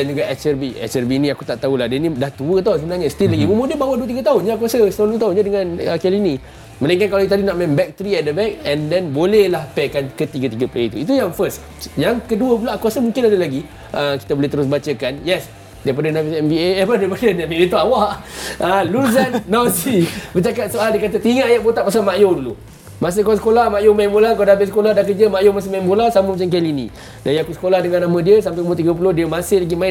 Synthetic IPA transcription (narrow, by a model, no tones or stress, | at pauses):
dɛnd͡ʒuɡaʔɛt͡ʃɛrbiɛ̰sɛrbinĩakut̪aʔt̪aulahdɛnĩdaht̪uət̪asəbənãrɲast̪ilaɡimomudəbawaduət̪iɡət̪aɦʊnɲaːk̬uasəsət̪ãnduət̪aɦʊnɲadəŋãnəkɛlinĩ | mə̃naiŋkankalajit̪adinaʔmɛnbɛk̚t̪əɾiɛt̪̚dəbɛk̚ɛndɛnbolɛhlahpɛkankət̪iɡət̪iɡəplejt̪uit̪̬ujaŋfəs | jaŋkəduəp̬ulakuasəmũŋkɪnadəlaɡi | ʔəki̥t̪aboleht̪əɾʊs̬bat͡ʃəkanjɛs | daip̬adənafisɛmbieɛpədajpadədabiet̪uawaʔəluzanːasibət͡ʃakat̪̚soaldiəkat̪̬at̪iŋaːjaʔ̚bot̪aʔpas̬almaʔjodulu | mas̬ɪhkaasə̥kolahmajomaɪnbolakawdaabɪlsə̥koladakəd͡ʒəmaʔjomas̬ɪmaɪnbolahsaməmat͡ʃamk̬ɛlinḭ | dajakusə̥kolahdəŋanamə̃diəsampakəmot̪iɡəp̬ulodiəmãsɪhlaɡimaɪn